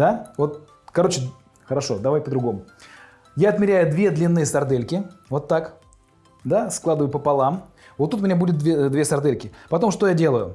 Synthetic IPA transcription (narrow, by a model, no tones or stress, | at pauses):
d̪avo̞t̪̚ | kɐɾo̞t͡ɕɪ | xəɾɐʂo̞̰d̪ɐvajpəd̪ɾʊɡo̞mʊ | jaɐt̪mʲɪɾʲæjʊd̪vʲe̞d̪lʲɪnːɨjəsɐrd̪elʲkʲɪvo̞t̪ːak | d̪asklˠad̪əvəjʊpəpɐlˠam | vot̪ːut̪ʊmʲɪnʲabudʲɪt̪̚d̪vʲed̪vʲe̞sɐrd̪elʲkʲɪpɐt̪o̞mʂt̪o̞jadʲe̞lˠəjʊ